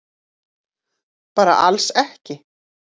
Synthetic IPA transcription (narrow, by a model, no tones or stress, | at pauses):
paːɾa̰ʔa̰lsɛhcɪ